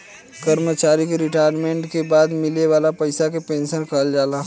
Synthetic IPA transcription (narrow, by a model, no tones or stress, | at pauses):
kɐɾmət͡ʃaːɾikeɾɪʈaːjəɾmẽːɳʈkebaːd̪mɪleʋaːlapɐɪsakepẽːnʃənkəɦəld͡ʒaːlaɦ